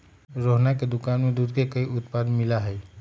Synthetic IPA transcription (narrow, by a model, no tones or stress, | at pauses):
ɾoɦnaked̪ʊkanmẽd̪uːd̪kekəiʔʊt̪pad̪mɪlaɦɛj